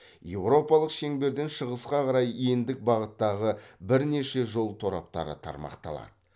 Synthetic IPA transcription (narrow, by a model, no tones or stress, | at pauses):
je̞wɾo̞pɑlˠəqʃe̞ŋbe̞ɾd̪e̞nʃəʁəsqɑqɑɾɑje̞nd̪ɪk̚bɑʁət̪ːɑʁəbɪɾne̞ʃe̞ʒo̞lˠt̪ʰo̞ɾɑ̰p̚t̪ɑ̰ɾə̰t̪ʰɑ̰ɾmɑ̰qt̪ɑ̰lˠɑ̰d̪̥ə